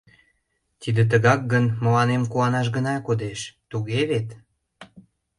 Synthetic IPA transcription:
t̪id̪et̪̬əɣɑk̚ɡənməlɑnemkuɑnɑʃ̬ɡənɑkod̪eʃt̪uɣeβet̪

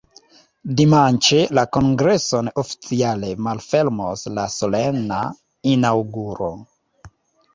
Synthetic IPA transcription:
dimant͡ʃelako̞ŋɡɾe̞so̞nofi̥t͡siale̞malfe̞lmoslasolena̰ | inawɡuɾo̰

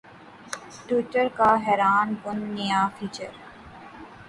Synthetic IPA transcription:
ʈuːʈəɾkaɦɛːɾaːnbʊnːɪjaːfʰiːt͡ʃəɾ

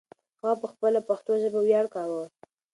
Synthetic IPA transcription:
xɑpəxpəlapaxt̪oʒəbawjɑɽkɑwəw

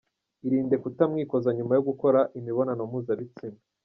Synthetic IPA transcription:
iɾiːnde̞kutamŋiːko̞zaɲumajo̞ɡuko̞ɾaʔimiβo̞nanomuːzaβit͡sima

